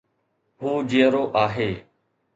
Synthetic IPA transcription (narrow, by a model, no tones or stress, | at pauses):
ɦuːd͡ʒiːəɾoːʔaːɦeː